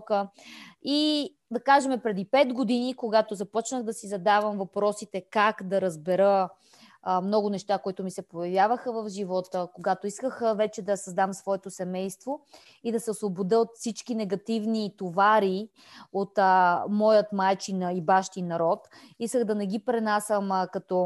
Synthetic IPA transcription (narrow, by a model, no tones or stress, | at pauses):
kə | i | d̪ɐkaʒɛmɛpɾɛd̪ipɛd̪ɡod̪inikoɡat̪ozɐpɔt͡ʃnəɣd̪ɐsizɐd̪avəmvɐpɾɔsit̪ɛkakd̪ɐɾɐzbɛɾə | mnɔɡʊnɛʃt̪akoit̪ʊmisɛpojɐvʲjavəxəvəvʒivɔt̪əkoɡat̪oiskəxəvɛt͡ʃɛd̪ɐsɐzd̪amsvɔɛt̪osɛmɛjst̪vo | id̪ɐsɛosvˠobod̪əot̪fsit͡ʃkinɛɡɐt̪ivnit̪ovaɾi | ot̪mɔjət̪majt͡ʃinəibaʃt̪inɐɾɔt̪ | iskəɣd̪ɐnɛɡ̟ipɾɛnasəmkɐt̪ɔ